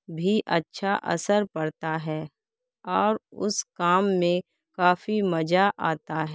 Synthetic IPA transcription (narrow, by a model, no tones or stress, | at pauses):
bʱiʔɐtːʃʰaʔɐ̰səɾpɐɽt̪aɦɛː | ɔːɾʊ̰skaːmːẽ | kaːfimɐd͡ʒaʔaːt̪aɦɛ